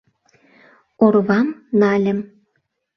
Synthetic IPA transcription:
oɾβɑmnɑlʲə̆m

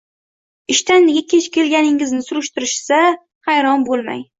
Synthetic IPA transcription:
ɪʃt̪anɪɡʲakʲʰet͡ʃkʲʰe̞lɡʲanɪŋɪznɪsʊɾʊʃt̪ɪɾɪʃsa | hajɾɒnbolˠma̰j

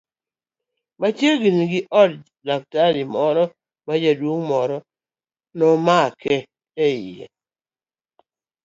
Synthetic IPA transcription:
mat͡ʃjeɡiniɡɪʔɔt | dak̚taɾimɔɾɔ | mad͡ʒadwoŋmɔɾɔ | nɔmakɛ | ɛɪ̰ɛ̰

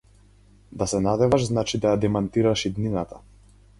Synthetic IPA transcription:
d̪asɛnad̪ɛvaʃznat͡ʃid̪ajad̪ɛmant̪iɾaʃid̪ninat̪ʰa

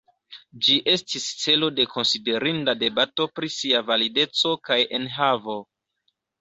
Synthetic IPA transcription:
d͡ʒiʔe̞stist͡se̞lo̞de̞ko̞nside̞ɾindade̞bato̞pɾisiavalide̞t͡so̞kaje̞nɦavo̞

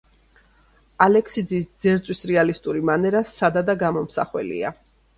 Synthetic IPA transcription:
alɛkʰsid̪zisd̪z̥ɛɾt̪sʼwisɾialist̪ʼuɾimanɛɾasad̪ad̪aɡamɔmsa̰χwɛ̰lḭa̰

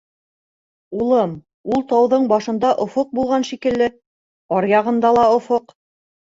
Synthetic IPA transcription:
ulˠɤm | ulˠt̪ɑwðɤɴbɑʃɤ̆nd̪ɑʔŏfoq̚bulˠʁɑnʃikɘ̆lːɘ | ɒɾjɑʁɤ̆nd̪ɑlˠɑŏfoq

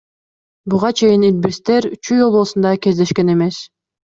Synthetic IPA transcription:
buʁɑt͡ʃʰe̞jinilʲbiɾst̪e̞ɾt͡ʃʰyjolˠbosund̪ɑke̞zd̪e̞ʃke̞ne̞me̞s

